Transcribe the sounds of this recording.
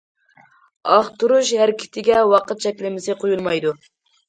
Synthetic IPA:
ɑχt̪uɾuʃhæɾkʲʰɪ̥t̪ʰɪɡʲɛwɑqət̪̚ʃɛkʲlɪmɪsɪqʰojulˠmɑjd̪u

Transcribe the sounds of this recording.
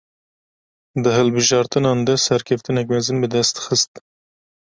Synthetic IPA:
d̪ɨɦɨlbɨʒɑːɾt̪ɨnɑːnd̪ɛsɛɾkʲʰɛft̪ɨnɛk̬mɛzɨnbɨd̪ɛst̪xɨst̪

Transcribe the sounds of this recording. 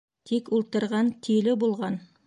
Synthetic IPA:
t̪ʰekwolˠt̪əɾʁɑnt̪ʰilɪbolˠʁɑn

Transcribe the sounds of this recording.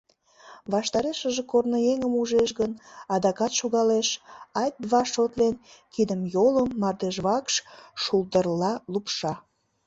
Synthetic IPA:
βɑʃt̪ɑɾeʃəʒekornojeŋəmuʒeʃɣənɑd̪ɑkɑt̪ʃoɣɑleʃɑjt̪̚βɑʃot̪lenkid̪əmjoləmːɑrd̪eʒβɑkʃʃulˠd̪ərlɑlupʃɑ

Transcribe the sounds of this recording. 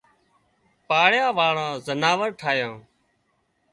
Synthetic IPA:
paːɽjaːʋaːɽãːzənaːʋəɾʈʰaːjãː

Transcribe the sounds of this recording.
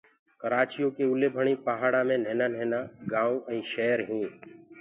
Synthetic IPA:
kəɾaːt͡ʃijõːkeːʊleːbʱəɳĩːpaːɦaːɽaːmẽːn̤eːnaːneːnaːɡãːũːʔɛ̃ːʃɛːɾɦĩː

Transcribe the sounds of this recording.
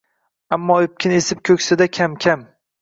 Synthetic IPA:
amːɒɪp̚kʲʰɪnesɪp̚kʲʰɵkʲsɪd̪akʲʰamkʲʰam

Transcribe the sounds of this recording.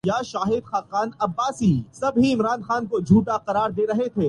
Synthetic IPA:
jaʃaːɦɪd̪xaːqaːnɐbːaːsiːsɐbɦiɪmɾaːnxaːnkod͡ʒʱuːʈaqɐɾaːɾd̪eːɾɐɦet̪ʰeː

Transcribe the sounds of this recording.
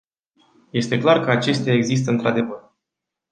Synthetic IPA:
je̞st̪e̞klarkəat͡ʃe̞st̪eae̞ɡzis̬t̪əɨnt̪ɾad̪e̞vər

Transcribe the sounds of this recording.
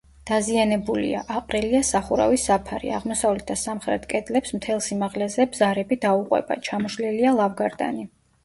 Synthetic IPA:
d̪̥azianɛbulḭa̰ʔaqʼɾɛliasaχuɾa̰visːapʰaɾḭa̰ʁmɔsavlɛt̪̚ʰd̪asamχɾɛ̰t̪kʼɛd̪lɛpsmt̪ʰɛlˠsimaʁlɛzɛbzaɾɛbid̪auqʼwɛ̰ba̰t͡ʃʰamɔʃlilialˠavɡaɾd̪a̰ni

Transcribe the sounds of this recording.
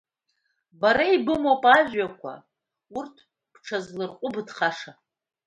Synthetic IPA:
baɾaibɨmowpʼaʒakʷʰa̰ | urtʰ | b̥ʈ͡ʂʰazlɨrqʷʼʊbɨdχaʂa

